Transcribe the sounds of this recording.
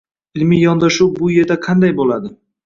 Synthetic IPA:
ɪlmijɒnd̪aʃuwbʊje̞ɾd̪aqʰɑnd̪ajbolad̪ɪ

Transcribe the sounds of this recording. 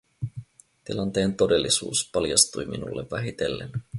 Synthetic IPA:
t̪ilɑnt̪e̞ːnt̪o̞de̞lːisṵːspɑljɑst̪ujminṵlːeʋːæɦit̪elːe̞̰n

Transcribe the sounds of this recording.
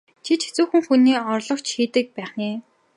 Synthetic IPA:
t͡ɕʰit͡ɕʰe̥t͡suːxɘ̆ŋxuniːɔrɮɞ̆kt͡ɕxiːt̪ɘ̆k̚pæːχneː

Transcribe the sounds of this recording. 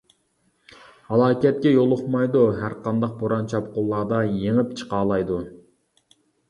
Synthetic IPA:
hɑlˠɑːkʲɛt̪̚kʲɛjolˠʊχmɑjd̪uɦæɾqɑnd̪ɑq̚boɾɑnt͡ʃʰɑpqolˠːɑːd̪ɑjeŋɪpt͡ʃʰə̥qɑːlˠɑjd̪u

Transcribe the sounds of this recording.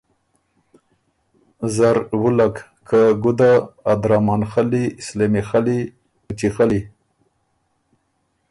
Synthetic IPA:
zaɾwulak | kʰaɡud̪aːd̪ɾamɑnxalislemixali | ut͡ʃixali

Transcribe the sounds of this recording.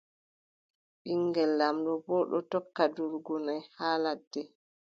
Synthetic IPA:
ɓiŋɡɛlːamɗɔbɔɗɔ̰tɔkːaduɾɡunajhaːladːɛ

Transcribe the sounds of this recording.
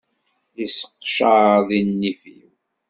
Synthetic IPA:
isə̥qːʃəðinːifḭw

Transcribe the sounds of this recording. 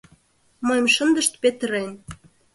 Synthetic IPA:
məjəmʃənd̪ə̆ʃt̪̚pet̪əɾen

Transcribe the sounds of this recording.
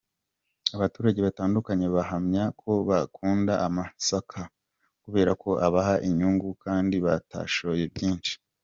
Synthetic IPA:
aβatuːɾaɟe̞βataːndukaɲe̞βaɦamɲakʰo̞βakʰuːndaʔamasakʰa | kuβe̞ːɾakʰo̞ʔaβahaʔiɲuŋɡukaːndiβata̰ʃo̞je̞bɟiːnʃi̥

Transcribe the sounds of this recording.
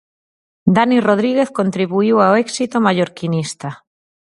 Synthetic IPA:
d̪aniroð̞ɾiɣeθkont̪ɾiβuiwaoɛksit̪omaʎoɾkinist̪a

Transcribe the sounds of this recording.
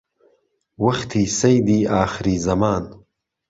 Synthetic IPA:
wɐxt̪ʰisɐjd̪iːɑːxɪɾizɐmɑːn

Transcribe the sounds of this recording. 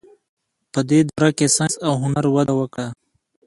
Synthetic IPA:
pəd̪ed̪oɾakesasawɦʊnaɾwad̪awəkɽa

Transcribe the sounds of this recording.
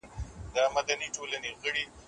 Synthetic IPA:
d̪əamad̪aniʈolaneɣəɽi

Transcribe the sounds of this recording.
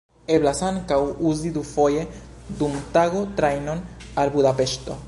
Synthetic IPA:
eblasaŋkawuzid̪ufo̞je̞d̪umt̪aɣot̪ɾajno̞nalbudape̞ʃt̪o̞̰

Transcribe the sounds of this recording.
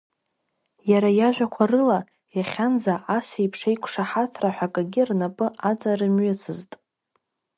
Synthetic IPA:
jaɾajaʒʷᶣakʷʰarɨla | jaχʲand͡zaʔasejpʰʂejkʷʰʼʂaħatʰraħʷᶣakʼaɡʲɪrnapʼɨʔat͡sʼarɨmɥʏt͡sʰɨztʼ

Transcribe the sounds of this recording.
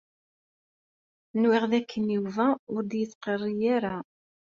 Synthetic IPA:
nwɪʁðækʰːənjuvæʊɾd̪jət͡sːqərˤːijaɾa

